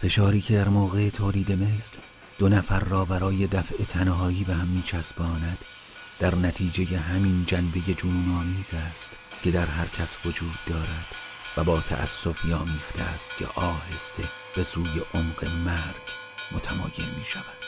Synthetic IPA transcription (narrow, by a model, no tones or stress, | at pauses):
fe̞ʃɒːɾiːcʰe̞d̪æɾmoːɣe̞et̪ʰoːliːd̪e̞meːsl | d̪̥onæfæɾːɒːbæɾɒːje̞d̪æfʔe̞t̪ʰænɦɒːiːbehæmːiːt͡ʃʰæsbɒːnæd̪̥ | d̪æɾnæt̪ʰiːd͡ʒe̞je̞ɦæmind͡ʒænbe̞je̞d͡ʒuːnɒːmiːzæːst̪ | cʰe̞d̪æɾɦæɾcʰæsvod͡ʒuːd̪̚ːɒːɾæd̪̥ | væbɒːt̪ʰæ̰ʔæ̰sːo̞fiːɒːmiːxt̪ʰeæst̪̚cʰḛʔɒːhe̞st̪e̞ | b̥e̞suːje̞ʔomɢe̞mæɾɡ | mot̪ʰæmɒ̰ːje̞̰nmiːʃævæd̪̥